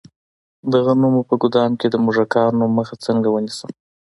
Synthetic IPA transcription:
d̪aɣanumopəɡʊd̪ɑmked̪əmuʒakɑɾnomːəxat͡səŋɡawənisəm

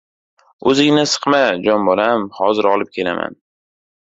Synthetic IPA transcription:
ɵzɪŋnɪsɨ̥qmad͡ʒɒnbɒlamhɒzɪɾɒlˠɪp̚kʲʰe̞la̰mʔa̰n

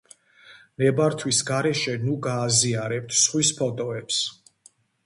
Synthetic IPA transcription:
nɛbaɾt̪ʰwisɡaɾɛʃɛnuɡaːziaɾɛp̚t̪ʰsχwispʰɔt̪ʼɔɛps

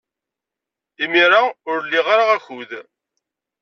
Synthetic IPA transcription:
imiɾaʊɾlːiʁaɾaʁæçuð

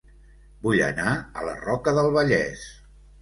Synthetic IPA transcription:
buʎə̰naə̰lə̰rɔkəðəlˠβəʎɛs

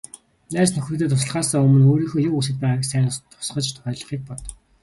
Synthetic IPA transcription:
næːsnɵxɵ̆t̪eːt̪ʰʊs̬ə̆ɮʁaːsaɵmɵ̆noːɾiːxoːjuus̬ɘ̆t̪̚pæːʁəksæːnə̆st̪ʰʊ̥sχə̆t͡ɕt̪ʰʊ̥χʲœːɮə̆χiːk̚pɔt̪

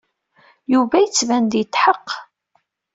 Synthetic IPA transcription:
juvæjət͡sːvænd̪jət̪ːħəqː

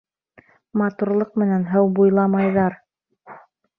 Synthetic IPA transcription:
mɑt̪uɾlˠɤq̚mɘ̆nænɦɤwbujlˠɑmɑjðɑɾ

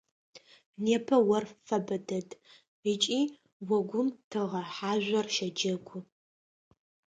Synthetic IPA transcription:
neːpʰɐwɐrfɐbɐdɐdʰʼ | ət͡ʃʼiː | wɔɡʷʊmtʰɨʁɐħaːʒʷɐrʃɐd͡ʒɐɡʷʊ

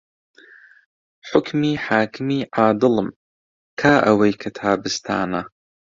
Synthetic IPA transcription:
ħʊkʰmiːħaːkʰɨmiːʕaːd̪ɨlɨm | kʰaːʔɐwɐjkʰɐt̪ʰaːbɨst̪ʰa̰ːnɐ

